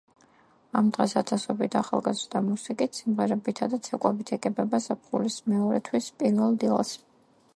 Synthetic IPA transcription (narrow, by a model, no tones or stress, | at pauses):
amd̪ʁɛsat̪sʰasɔbit̪ʰaχa̰lˠɡazɾd̪amusikʼit̪ʰsimʁɛɾɛbit̪ʰad̪at̪sʰɛkʼwɛbit̪ʰɛɡɛbɛbasapʰχulismɛɔɾɛt̪ʰwispʼiɾvɛlˠd̪ilˠa̰s